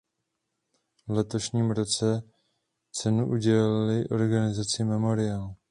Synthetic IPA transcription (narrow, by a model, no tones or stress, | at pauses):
vlɛt̪o̞ʃɲiːmɾo̞t͡sɛ | t͡sɛnuʔuɟɛlalɪlɪʔo̞ɾɡanɪzat͡sɪmɛmo̞ɾɪaːl